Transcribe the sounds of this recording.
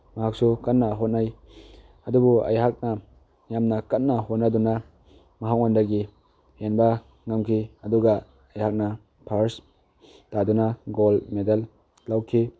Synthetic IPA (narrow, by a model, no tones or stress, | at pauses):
mɐɦak̚sukɐt̚nːɐɦot̚naj | ɐdubuɐ̰jɦak̚nɐ | jamnɐkɐt̚nɐɦotnɐdunɐ | mɐɦak̚ondɐɡi | henbɐ | ŋɐmkʰiɐduɡa | ɐjhak̚nɐ | pʰaɾs | tadunɐɡolmedɐl | lːawkʰi